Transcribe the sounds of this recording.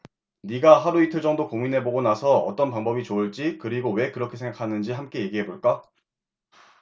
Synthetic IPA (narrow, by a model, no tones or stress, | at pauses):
niɡaɦaɾuitʰɯɭt͡ɕ͈ʌŋdokoŋminɦe̞boɡonasʰʌʌ̰t͈ʌnpaŋbʌbit͡ɕoɯɭt͡ɕ͈ikɯɾiɡowe̞kɯɾʌkʰesʰe̞ŋɡakʰanɯnd͡ʑiɦamk͈e̞je̞ɡiɦe̞boɭk͈a